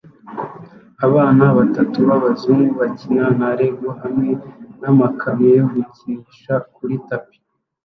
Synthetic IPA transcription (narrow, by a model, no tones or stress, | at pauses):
aβaːnaβatatuβaβazumuβacinanaɾeɡɡohamŋe̞namakʰamejoɡuciiʃak̚uɾitapi̥